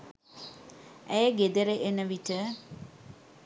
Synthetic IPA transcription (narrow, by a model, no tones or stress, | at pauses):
ʔɛjəɡed̪eɾeʔenəʋitə